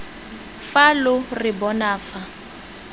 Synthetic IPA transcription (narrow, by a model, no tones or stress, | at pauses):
falʊrɪbɔnaːfa